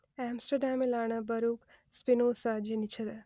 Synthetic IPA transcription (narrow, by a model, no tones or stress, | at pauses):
aːmsʈəɾɖaːmilaːɳɐbɐɾuːk | spinoːsad͡ʒenit͡ʃʰɐd̪ɐ